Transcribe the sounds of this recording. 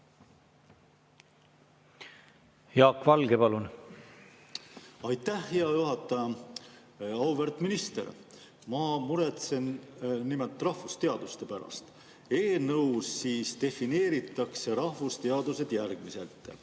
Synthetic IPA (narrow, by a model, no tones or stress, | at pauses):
jɑːkːvɑlɡepɑlun | ɑjt̪ːæhːeɑjuɦɑt̪ˑːɑjɑ | ɑwvert̪minist̪e̞̰ɾ | mɑmuɾet̪se̞nnimelt̪ːˑrɑhvust̪e̞ɑd̪ust̪e̞pæɾɑ̰st̪ | e̞ːnɤwsːiːst̪e̞fine̞ːɾit̪ˑːɑkse̞ɾɑhvust̪e̞ɑd̪use̞d̪̥jærɡ̥mise̞̰lt̪ˑ